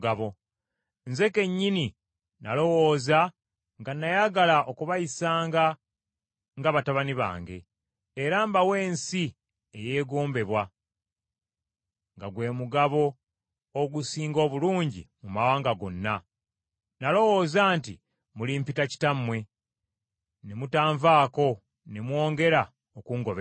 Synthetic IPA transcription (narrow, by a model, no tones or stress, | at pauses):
ɡaβo̞ | nze̞ke̞ɲːini | nalo̞woːza | ŋɡanːajaɡalaʔo̞kuβajisaːŋɡa | ŋɡaβataβaniβa̰ːŋɡe̞̰ː | ɾaːmbawe̞ːnsi | eje̞ːɡoːmbe̞βwa | ŋɡaɡwe̞ːmuɡaβo̞ː | ɡusiːŋɡo̞ːβuluːɲɟḭmumawaːŋɡaɡo̞nːa | nalo̞wo̞ːzaːnti | mulimpitaci̥tamːwe̞ | nemutaːɱvaːko̞ | nemwo̞ːŋɡe̞ɾa | okuːŋɡo̞βe